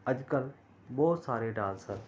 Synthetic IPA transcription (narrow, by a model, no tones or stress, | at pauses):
ɐʄkəl | ɓɔːt̪saːɾeɖaːlsəɾ